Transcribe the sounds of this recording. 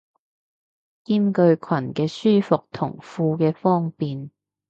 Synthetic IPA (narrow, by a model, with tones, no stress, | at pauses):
kiː˥mkɵ˧ɥkʰwɐ˨˩nkɛː˧syː˥fʊ˨k̚t̪ʰʊ̰˨˩ŋfuː˧kɛː˧fɔː˥ŋpiː˨n